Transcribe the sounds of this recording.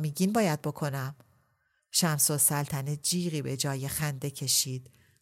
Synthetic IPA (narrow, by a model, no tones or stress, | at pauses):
miːɟinbɒːjæd̪̚bo̞kʰo̞næm | ʃæmsosælt̪ʰæned͡ʒiːɣiːbe̞d͡ʒɒːjexænd̪e̞cʰe̞ʃiːd̪̥